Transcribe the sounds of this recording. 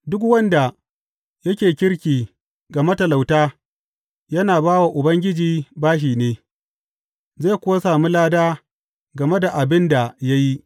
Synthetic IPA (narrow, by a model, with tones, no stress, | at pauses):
dʊ˦kwɐ˦nda˨ | jɐ˦kʲeː˨kʲɪ˦ɽkʲiː˨ | ɡɐ˨me˦tɐ˨la˨wtaː˦ | jɐ˦naː˨baː˦wa˨ʔʊ˨bɐ˦ŋɡʲɪ˦d͡ʒiː˨baː˦ʃ̬iː˨neː˦ | zeː˦˨kʷʊ˦wa˦saː˨mu˦laː˦daː˦ | ɡɐ˨me˦da˨ʔa˨bɪ˦nda˨ja˦ji˦